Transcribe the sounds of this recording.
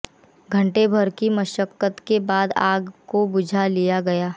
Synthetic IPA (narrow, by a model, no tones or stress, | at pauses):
ɡʱɐ̃ɳʈebʱɐɾkiməʃəkːət̪kebaːd̪aːɡkobʊd͡ʒʱalijaɡɐjaː